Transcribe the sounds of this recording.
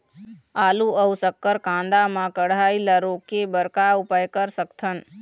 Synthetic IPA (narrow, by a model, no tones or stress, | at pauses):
aːluəwsəkːəɾkãːnd̪amãkəɽaːilaɾokebəɾkaupajkəɾsəkt̪ʰən